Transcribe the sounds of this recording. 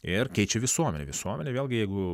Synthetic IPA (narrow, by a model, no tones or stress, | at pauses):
ɪrkʲɛɪt͡ʃʲɛʋʲɪsuɔmʲɛnʲɛ̰ʋʲɪsuɔmʲɛnʲeʋʲeːlˠʲɡʲɪjɛɪɡʊ